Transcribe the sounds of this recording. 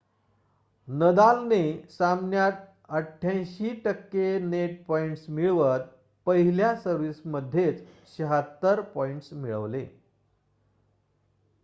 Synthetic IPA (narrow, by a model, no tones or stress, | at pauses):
nəd̪alnesamnjat̪̚ | əʈʰːjãjɕiːʈəkːeneʈ̚pɔiɳʈsmiɭʋət̪̚ | pəɦiljasəɾʋisməd̪ʱːjet͡s | ɕəɦat̪ːəɾpɔiɳʈsmiɭə̰ʋle